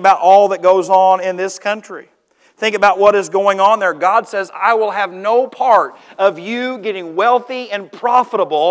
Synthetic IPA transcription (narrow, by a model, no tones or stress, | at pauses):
əbaʊɾʔɔlˠðəɨt̚ɡ̥oʊzn̩ɪ̃nðɪskʰʌ̃nt͡ʃɹ̥i | θɪ̃ŋkɨbaʊt̚wʌɾɨzɡoʊɪ̃ŋə̃nðə˞ɡɑd̥sɛza̰ɪwɪlˠɨvnoʊpʰɑɹɾʌvjɨɡɛɾɪ̃ŋwɛlˠθiɨ̃npʰɹ̥ɑfəɾəbl̩ˠ